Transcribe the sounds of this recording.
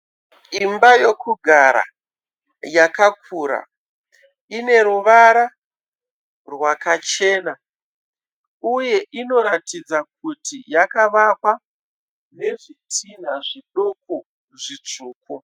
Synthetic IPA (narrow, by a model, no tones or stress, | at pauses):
imbajokuɡʱaɾa̰ | jakakʰuɾa̰ | ine̞ɾuʋaɾa | rwakat͡ʃe̞ːna | uje̞ʔino̞ɾatid͡zak̚utʰijakaʋakwa | ne̞ʐitʰinaʐiɗoko | ʐit͡ʂuːko